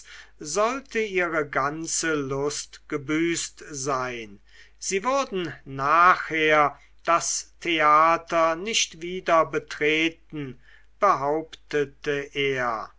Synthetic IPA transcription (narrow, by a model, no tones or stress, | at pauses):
zɔltʰəiːʁəɡant͡səlʊstɡ̥əbyːstzaɪn | z̥iːvʊɐdn̩naːχheːɐ | d̥astʰeaːtɐnɪʃtv̥iːdɐbətʁ̥eːtn̩ | b̥əɦaʊptətəʔeːɐ